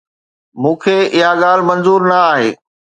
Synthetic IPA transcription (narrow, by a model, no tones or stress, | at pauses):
mũːkʰeɪɦaɠaːl̤ɪ̆mɐ̃nzuːɾnɐaːɦeː